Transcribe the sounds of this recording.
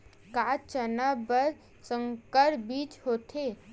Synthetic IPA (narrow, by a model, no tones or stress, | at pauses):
kaːt͡ʃənabəɾ | sə̃ŋkəɾbiːt͡ʃɦoːt̪ʰe